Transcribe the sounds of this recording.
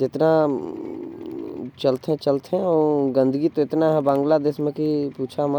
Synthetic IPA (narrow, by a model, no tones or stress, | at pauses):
d͡ʒɪt̪na | t͡ʃɐlt̪ɛ̃t͡ʃɐlt̪eẽɔɡə̃nd̪ʱəɡit̪oɪt̪naɦɛ̃bãːŋɡlad̪eːsmẽkipuːt͡ʃʰamə